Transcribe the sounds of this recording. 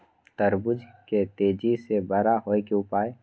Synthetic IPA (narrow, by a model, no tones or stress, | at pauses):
t̪əɾbʊd͡ʒʱket̪eːd͡ʒisebɐɾaɦoːekeʊpaːe